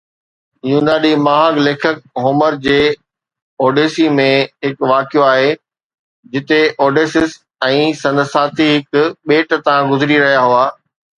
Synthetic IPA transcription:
jũːnd̪aːɗimaːɦaɡleːkʰək̚ɦoːməɾd͡ʑeː | oːɖeːsimẽɦɪkʋaːkijoaːɦe | d͡ʑɪt̪eʔoːɖeːsɪs | ɛ̃ːsɐ̃nd̪saːt̪ʰiɦɪkʊɓeːʈt̪ãɡʊzɪɾiɾɐɦijaɦuaː

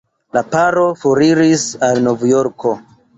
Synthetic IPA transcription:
lapaɾo̞fuɾiɾisalnovjoɾkʰo̞

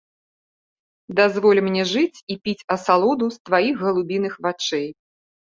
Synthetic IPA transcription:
d̪azvɔlʲimnʲɛʐɨt͡sʲipʲit͡sʲɐsalˠɔd̪ust̪vajixɣɐlˠubʲinɨxvat͡ʂɛj

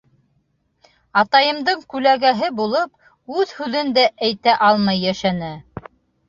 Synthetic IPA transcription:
ɑt̪ɑjɤ̆md̪ɤɴkʉlæɡæɦɘbulˠɤp | ʉðhʉðɘnd̪æʔæjt̪æʔɑlˠmɑjːæʃænɘ

